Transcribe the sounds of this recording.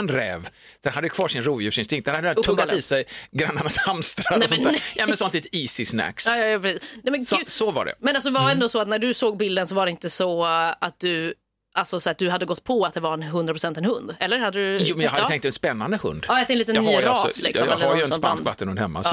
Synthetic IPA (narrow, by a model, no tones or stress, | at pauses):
nɾɛ̰ːv | d̪̥ɛnhad̪ːjkʰvɑːʂɪnɾuːvjʉʂɪnst̪ɪŋkt̪̚d̪ɛnhad̪ʰɵɡːat̪iːsɛjɡɾanːaɳashamst̪ɾaɛnsɔnæjɑːmɛnsɔnt̪liːt̪iːsɪsnæ̰ksɑːjjpɾɛsiːsnɛmɛsɔva̰ɖɛ̰mɛnalsɔd̪ɛvaɛnd̪oːsɔat̪næɖɵsoːɡ̚bɪld̪ənsɔvaɖɛɪnt̪əsɔat̪̚d̪ɵ | ʔalsɔsad̪ɵɦad̪ːəɡɔt̪ːpʰɔat̪̚d̪ɛvaɾɛnɦɵnd̪ɾapʰɾʊsɛnt̪ɛnhɵnd̪ɛlːəɾhad̪ːəd̪ʉjuːmɛnjɑhad̪əɛŋkt̪ːɛnspɛnːand̪əhɵ̰nd̪ɑːjat̪ɛnliːt̪ənːyːɾɑslɪ̰ksɔmɛlːajəɛnspa̰nskkvat̪ːənhɵnd̪hɛmːa̰